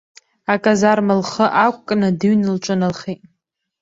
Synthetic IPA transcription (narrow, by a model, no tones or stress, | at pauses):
akʼazarmalχəʔakʷʼkʼnɨdɨɥnɨlt͡ʃʷʼʊnɨlχetʼ